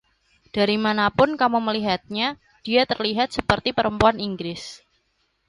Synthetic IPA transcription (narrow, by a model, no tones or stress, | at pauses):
d̥aɾimanapʊnkamuməliɦat̪̚ɲa | d̥iat̪ərliɦat̪̚səpərt̪ipəɾəmpuaniŋɡɾɪs